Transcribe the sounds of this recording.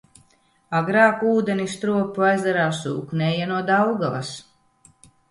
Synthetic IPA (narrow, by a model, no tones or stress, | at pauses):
aɡɾaːkuːd̪enist̪ɾuɔpuajzd̪aɾaːsṵːknʲɛːjanuɔd̪awɡalˠa̰s